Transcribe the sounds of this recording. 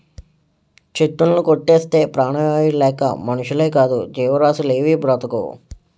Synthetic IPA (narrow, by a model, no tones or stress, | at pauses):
t͡ʃeʈːunlukoʈːeːst̪e̞ːpɾaːɳɐʋaːjilɛːkɐ̰mɐnuʃuleːkaːd̪ṵd͡ʒiːʋɐɾaːsuleːʋibɾɐt̪ɐkṵ